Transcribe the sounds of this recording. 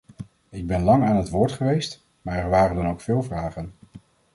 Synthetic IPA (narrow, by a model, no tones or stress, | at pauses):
ɪɡ̚bɛnlɑŋaːnɦətʋʊːɹtχəʋejst | maːɹɛɹʋaːrəndɑnowkfɪːlˠvraːχən